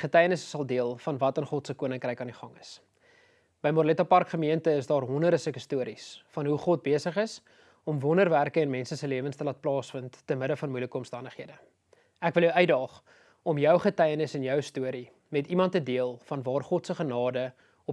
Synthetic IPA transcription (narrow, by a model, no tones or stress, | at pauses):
χətɛjənəsə̥sɐlˠdiəlˠfɐnvɐtənχɔtsəkuənəŋkrɛjkɑndiχɐŋəs | b̥əjmɔrlɛtɐpɑrkχəmiəntəəsdɑːrɦɔndərdəsəkəstuəɾisfɐnɦuχɔt̚biəsəχəs | ɔmvɔnərværkəɛnmɛnsəsəliəvənstəlɑːt̚plɑːsfəntːənməɾəfɐnmujləkəɔmstɐndəχɦiədə | ækvəlˠjəwœɥdɑːχ | ɔmjœwχətɛjənəsənjœwstuəɾi | mɛtimɐntːədiəlˠfɐnvɑːrχɔtsəχənɑːdə | ɔ